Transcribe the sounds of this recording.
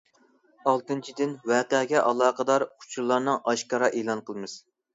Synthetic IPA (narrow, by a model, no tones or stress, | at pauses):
ɑlˠt̪ɨnt͡ʃʰid̪ɪnwɛːqəɡʲɛʔɑlˠɑːqʰəd̪ɑɾqʰʊ̥t͡ʃʰuɾlˠːɑɾnɨŋɑʃkɑɾɑʔeːlˠɑnqʰəlˠmɨz̥